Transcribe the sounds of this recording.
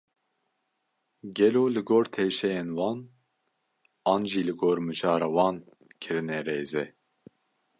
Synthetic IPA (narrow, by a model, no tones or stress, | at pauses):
ɡɛloːlɨɡoːɾt̪ʰeːʃɛjenwɑːn | ɑːnʒiːlɨɡoːɾmɨʒɑːɾɑːwɑːn | kʰɨɾɨnɛɾeːzɛ